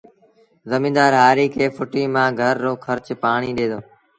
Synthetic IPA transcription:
zəmĩːnd̪aːɾɦaːɾiːkʰeːfʰʊʈiːmãːɡʱəɾːoːkʰəɾt͡ʃpaːɳ̃iːɗeːd̪oː

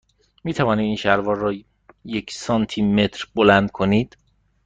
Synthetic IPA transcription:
miːt̪ʰævɒːniːd̪iːnʃæɾvɒːrɒː | jekʰsɒnt̪ʰime̞t̪ʰɾbolænd̪̚kʰoniːd̪̥

